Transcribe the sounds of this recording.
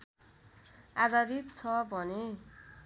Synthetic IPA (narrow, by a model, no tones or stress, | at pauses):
aɡaɾit̪̚t͡sʰʌbʱʌne